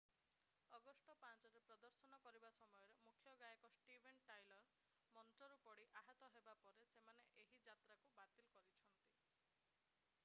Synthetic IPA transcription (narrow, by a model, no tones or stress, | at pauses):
ɔɡɔsʈɔpant͡ʃɔɾepɾɔd̪ɔɾsɔnɔkɔɾibasɔmɔjɔɾemukʰjɔɡajɔkɔsʈibʱenʈajlɔɾ | mɔnʈɔɾupɔɽiʔaɦɔt̪ɔɦebapɔɾesemaneʔeɦid͡ʒat̪ɾakubat̪ilɔkɔɾit͡ʃʰɔnt̪i